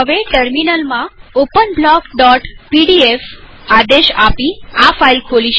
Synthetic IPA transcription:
əʋeʈəɾminəlmãopənblɔkɖɔʈpiɖief | ad̪eʃapiafailkʰoliʃ

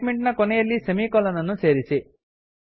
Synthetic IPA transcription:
meɳʈnɐkonɐjelːisɐmiːkɔlɐnɐnut͡ʃeːɾisi

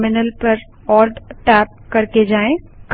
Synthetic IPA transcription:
mɪnəlpɐɾ | ɔːlɖʈɛːp̚kɐɾked͡ʑaːẽ | k

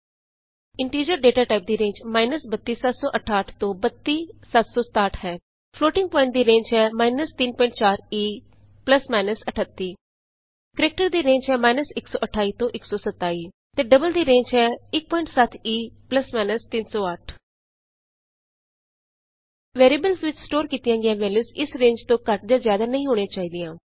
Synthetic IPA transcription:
ɪɳʈiːɾd͡ʒəɾɖeːʈaːʈaːɪp̚d̪iɾẽːɲd͡ʒmaːɪnəsbət̪ːiːsɐt̪sɔːʔəʈʰaːʈʰt̪obɐt̪ːisɐt̪sost̪aːʈʰɦɛː | floːʈɪ̃ŋɡ̚pɔ̃ːɪ̃ɳʈ̚d̪iɾẽːɲd͡ʒɦɛmaːɪnəst̪iːnpɔ̃ːɪ̃ɳʈ̚t͡ʃaːɾiː | pləsmaːɪnəsɐʈʰət̪ːi | kəɾeːk̚ʈəɾd̪iːɾẽːɲd͡ʒɦɛːmaːɪnəsɪksɔ̰ːʔəʈʰaːiːt̪õːʔɪksɔːsət̪ːaːiː | t̪eːɖəbəld̪iːɾẽːɲd͡ʒɦɛːɪk̚pɔːɪɳʈsət̪ʰiːpləsmaːɪnəst̪insɔːəʈʰ | ʋeːɾibəlsʋɪt͡ʃsʈoːɾkiːt̪ɪjãːɡɪjãːʋɛːləsɪsɾẽːɲd͡ʒt̪õːkəʈ̚d͡ʒ̪aːzjaːd̪aːnəĩːɦoːɽ̃eat͡ʃaːiːd̪ɪjãː

